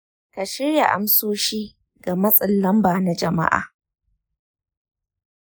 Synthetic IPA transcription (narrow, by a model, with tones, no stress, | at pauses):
ka˨ʃɪ˦ɽja˨ʔa̰˨msoː˦ʃiː˦ | ɡa˨mɐ˦sʼɪ˨lːɐ˦mbaː˨na˦d͡ʒɐ˨ma̰˦ʔa̰ː˨